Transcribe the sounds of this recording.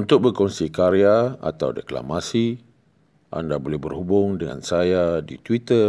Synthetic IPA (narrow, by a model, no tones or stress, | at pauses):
unt̪ʊk̚bərkɔnsikaɾiaa̰t̪a̰wdəkla̰masi | ʔa̰ndabolɛhbərhubʊŋdəŋa̰nsajadit̪wit̪ər